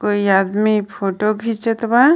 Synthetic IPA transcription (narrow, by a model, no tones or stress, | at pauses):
koːiaːd̪mipʰoːʈoɡʱit͡ʃet̪ba